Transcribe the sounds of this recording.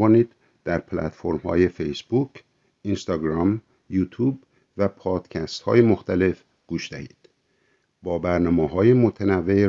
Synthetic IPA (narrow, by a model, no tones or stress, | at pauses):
ɒːniːd̪̥ | d̪̥æɾpʰlæ̰t̪fo̞ɾmhɒ̰ːje̞fejsbukʰ | ʔinst̪ɒːɡɾɒm | juːt̪ʰuːb | væpʰɒːd̪̥cʰæst̪hɒ̰ːjemo̞xt̪æle̞f | ɡ̥uːʃd̪æhḭːd̪̥ | bɒːbæɾnɒːmeːɦɒːjemot̪ʰenævːe